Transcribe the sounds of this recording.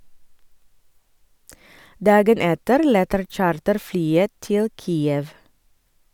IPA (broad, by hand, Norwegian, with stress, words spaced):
ˈdɑːɡən ˈɛtəɾ ˈlɛtəɾ ˈc͡çɑːɾtəɾˌflyːə ˈtɪl ˈkiːəʋ